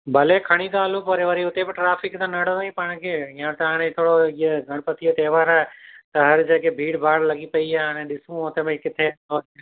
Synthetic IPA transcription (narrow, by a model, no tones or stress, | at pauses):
bʱɐleːkʰɐɽ̃ik̪aːlũpɐɾeʋɐɾiʊt̪ebɪʈɾaːfɪkt̪ãnɐɽoaipaːɽ̃kʰeːjãːt̪ɐaːɽ̃ẽt̪ʰoːɽoieɡʱɐɽ̃pɐt̪ʰiet̪eːʋaːɾaːɦet̪ɐɦɐɾd͡ʑeːkebʱiːɽbʱaːɽlɐɠipɐiaːɦaːɽ̃ẽɗɪsũʊt̪emẽkɪt̪ʰeoː